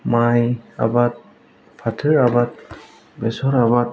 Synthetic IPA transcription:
maja̰bat̚ | pʰatʰɯɹabat̚ | bɛsɔɾabat̚

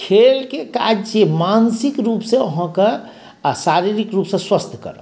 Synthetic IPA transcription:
kʰelkeka̰d͡ʒt͡ʃemansikɾupsẽoɦɔ̃kə | asaɾiɾikɾupsẽswəst̪ʰkə̰ɾə̰

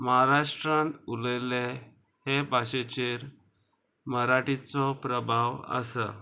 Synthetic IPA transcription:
məɦaɾaʂʈɾãnuləjle | hebʱaɕet͡ɕeɾ | məɾaʈit͡sɔpɾəbʱaʋə̰sə̰

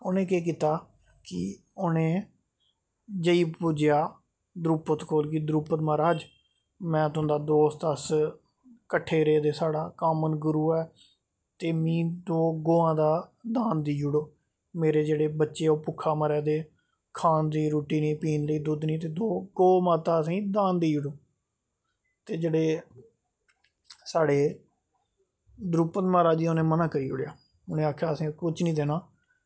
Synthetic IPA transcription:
ʊnẽːkeːk̬iːt̪aː | kɪ | ʊnẽː | d͡ʒəiːpʊd͡ʒɪjaː | d̪ɾuːpət̪koːlk̬ɪd̪ɾuːpət̪maːɾaːd͡ʒ | mɛ̃ːt̪ʊə̃nd̪aːd̪oːst̪əs | kəʈʰːeːɾeːd̪eːsaːɽaːkaːmənɡʊɾuːɛː | t̪eːmĩːd̪oːɡoːãːd̪aːd̪aːnd̪iːd͡ʒʊɽoː | meːɾeːd͡ʒeːɽeːbətːʃeːoːpʊkʰːaːməɾɛːd̪eː | kʰaːnd̪iːɾuːʈiːniːpiːnləiːd̪ʊd̪niːt̪eːd̪oːɡoːmãːt̪aːəsĩːd̪aːnd̪iːd͡ʒʊɽoː | t̪eːd͡ʒeːɽeː | saːɽeː | d̪ɾuːpət̪maːɾaːd͡ʒiːonẽːmənãːkəɾiːʊ̰ɽɪjaː | ʊnẽːaːkʰjaːəsĩːkʊt͡ʃʰnĩːd̪eːnaː

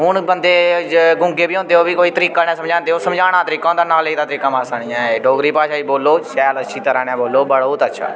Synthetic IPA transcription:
ɦʊɳbənd̪eːɡʊ̃ŋɡeːbiːõːnd̪eːoːbiːkoːiːt̪əɾiːkaːnɛ̃ːsəmd͡ʒãːnd̪eːɦoːsəmd͡ʒaːɽ̃aːt̪əɾiːkãːõnd̪aːnaːleːd̪aːt̪əɾiːkaːmãːsaɽ̃iːãːeːɖoːɡɾiːpaːʃaːiːboːloːʃɛːləʃʰiːt̪əɾãːnɛ̃ːboːloːbəɽoːt̪ətːʃʰa̰ː

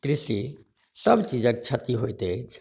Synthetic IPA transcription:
kɾisi | səbt͡ʃid͡ʒək̚t͡ʃʰət̪iɦoit̪et͡ʃʰ

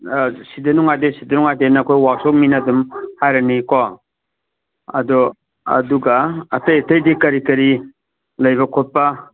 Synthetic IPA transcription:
sidɐnuŋajdesidɐnuŋajdenɐːkʰojwasɔk̚minɐdumhajɾɐnikɔ | ɐ̰dɔ | ɐ̰duɡɐːtɐjɐtɐjdikɐɾikɐɾi | lɐjβɐkʰot̚pɐ

